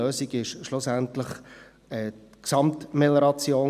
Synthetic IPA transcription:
øːsiɡɪʃʃlʊsæntləχ | ɛː | ksɑmtmɛləɾɑt͡sjoː

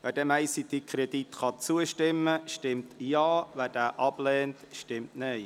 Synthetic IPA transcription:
ʋæːɾdɛːmæɪsid̥ikʰɾed̥itχɑt͡suəʃtɪmːəʃtɪmtjɑːʋæːd̥æːʔɑb̥lɛːntʃtɪmtnɛɪ

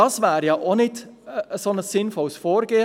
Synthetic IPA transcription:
ɑsvæːɾjɑːʔonɪtəəsonəsːɪnfɔlsfoːɾɡeːə

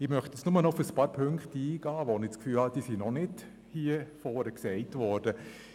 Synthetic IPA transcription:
ɪmœχtət͡ssnʊmənɔʊfəspɑːɾpʰøŋkχtiːɡ̥ɑːʋɔnɪt͡skfyːlhɑd̥iːsinɔnɪd | hiəfɔːɾəksɛɪtʋɔːɾd̥ə

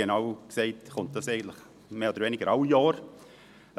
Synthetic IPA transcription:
enɑʊksɛɪtχɔnt̚d̥ɑsɛɪɡəntlɪχ | meːodəɾʋenɪɡəɾaʊjɑːɾ

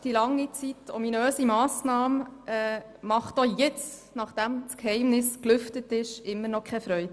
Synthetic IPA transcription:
d̥ilɑŋːit͡sitɔminøːsimɑːsnɑːmʔɛ | mɑχtojɛt͡s | nɑχd̥æmskhɛɪmnɪsklʏftətɪʃɪmːənɔkʰχɛfɾœʏ

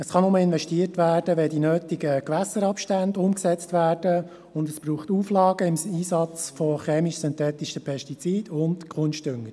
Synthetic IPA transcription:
əsχɑnʊməɪnʋɛʃtiːətʋæːrdəʋɛdinøːtiɡəkʋæsəɾɑpʃtændʊmksɛt͡stʋæːrd̥ə | ʊndəsb̥ɾuːχtuːflɑːɡ̥əɪmiːsɑt͡sfɔχɛːmiʃsʏnt̪ɛːt̪ɪʃəpʰɛʃtit͡siːd̥ʊndkʰʊnʃtʏŋəɾ

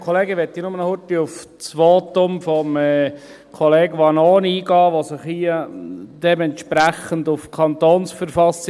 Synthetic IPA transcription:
kʰɔleːɡəʋɛt̪ːinʊmənhʊtːiʊf | t͡sʋoːt̪ʊmfɔmɛ | kʰɔleːɡʋɑnɔːniːɡɑːʋosɪχhiəd̥ɛmɛnt̪ʃpɾæχənd̪ʊfkʰɑnt̪oːnsfəɾfɑsɪ

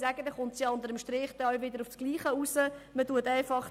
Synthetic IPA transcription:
sæɡ̥əd̪ɛχʊntsjɑʊnt̪əɾəmʃtɾɪːχd̥̪ɛœwʋɪd̪əɾʊfsɡ̥liːχəusəmətuətɛɪfɑχ

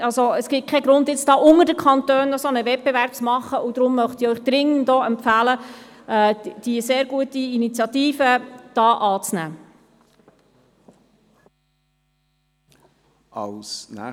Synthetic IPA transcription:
ɑlsoəsɡ̥ɪt̚kʰɛɡɾʊnd̪jɪt͡sd̥ɑːʔʊŋədəkʰɑntøːnːɔsonəvɛt̚pbevæɾp̚t͡smɑχəʔud̥̪ɾʊmːœχt̪ɪœʏχd̪̥ɾɪŋəndɔːɛmpfæːlə | ɛːd̥iəseːɾɡuətiinit͡sjɑtiːfəd̥ɑːʔɑːt͡snæ̰ː | ɑlsnæ̰

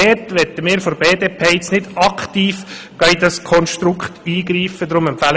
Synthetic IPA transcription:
ɛtʋɛt̪əmɪːɾfoɾbeːdeːpʰeːɛt͡snɪd̥ɑkχt̪iːf | ɡ̥ɑidɑskʰɔnʃt̪ɾʊkχt̪iːɡɾiːfəd̪ɾʊmɛmpfæl

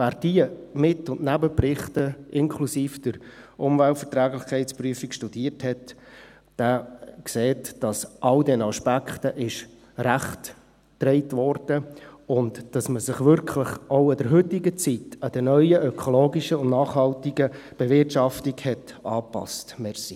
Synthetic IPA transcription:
væːɾd̥iəmɪtʊndnæbəprɪχtəʔɪnkʰlusiːfd̥əɾʊmvæltfəɾtɾæːɡlɪχkʰɛɪtspryəfikʃtud̥iːərthɛt | d̥ækseːtd̥ɑsʔɑldɛnɑʃpækχtəʔɪʃ | ɾæχt | tɾɛɪtʋɔrd̥əʊntd̥ɑsməsɪχʋʏɾkʰləχʔoʊɪd̪əɾɦɵtɪɡət͡sitɑd̥̪əɾnœʏəʔœkʰɔloːɡiʃəʊndnɑːχhɑltiɡə | b̥evɪrtʃɑftiɡhɛt | ɑːpɑ̰stmɛɾsi

